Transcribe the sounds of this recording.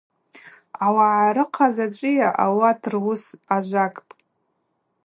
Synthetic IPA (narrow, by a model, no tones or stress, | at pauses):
awaʕaɾɨqʰazat͡ʃʷʼɪjaʔawatʰrwʊsaʒʷakʼpʼ